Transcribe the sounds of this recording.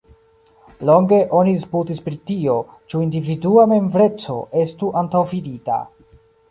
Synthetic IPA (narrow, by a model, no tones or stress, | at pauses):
lo̞ŋɡe̞ʔo̞nisputispɾitio̞ | t͡ʃuindividuame̞mvɾe̞t͡so̞̰ʔe̞stuʔantawfidita̰